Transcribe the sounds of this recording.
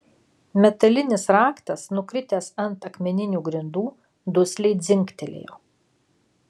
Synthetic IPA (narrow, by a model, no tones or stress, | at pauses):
mʲɛt̪ɐlʲɪnʲɪsɾɑːkt̪ɐsnʊkɾʲɪt̪ʲeːsɐnt̪ɐkmʲɛnʲɪnʲuːɡɾʲɪnd̪uː | d̪ʊsʲlʲɛɪd̪zʲɪŋʲkt̪ʲɛlʲḛːjo̰ː